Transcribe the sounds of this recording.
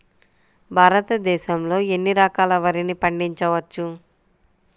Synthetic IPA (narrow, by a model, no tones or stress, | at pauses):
bʱaːɾɐt̪ɐd̪ɛːʃɐmlo̞ːe̞nːiɾɐkaːlɐʋɐɾinipɐɳɖiɲt͡ʃɐʋɐt͡ʃːu